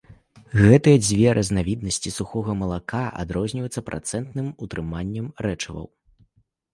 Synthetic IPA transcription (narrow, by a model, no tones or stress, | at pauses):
ɣɛt̪ɨjɐd͡zʲvʲɛɾʔɐznavʲid̪̚nɐsʲt͡sʲisuxɔɣɐmɐlˠakaʔa̰d̪ɾɔzʲnʲivjɛt̪sːɐpɾʔa̰t̪sɛnt̪nɨmut̪ɾɨmanʲːɐmrɛt͡ʂɐvɐ̰w